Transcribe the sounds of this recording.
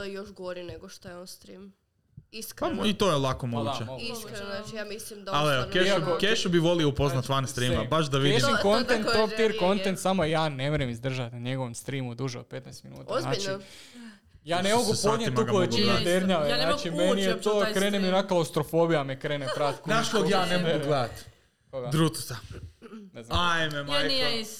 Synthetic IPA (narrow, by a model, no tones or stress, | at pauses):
ojoʃɡoɾineɡoʃt̪ojeonst̪ɾim | iskait̪oːjelˠakomoɡuːt͡ʃemoɡuaiimaleokeʃuokeʃubiʋolioupoznat̪ʋanst̪ɾimabaʃd̪aʋideiʃimkont̪ent̪pɾop̚t̪iɾko̞nt̪ent̪samoijaːnemeɾemizd̪r̩ʒat̪naɲeɡo̞ʋomst̪ɾimud̪uʒeod̪̚pe̞t̪najst̪minṵːt̪aznaːt͡ʃi | jaːnemoɡupod̪ɲemuloʋet͡ʃined̪eɾɲaʋeznaːt͡ʃimenijet̪oːkɾeːneminaklawst̪ɾofoːbijamekɾeːnepɾat̪kunaʃoɡjaːnemoɡuɡled̪at̪ | koɡad̪ɾut̪u̥sa | neznajmema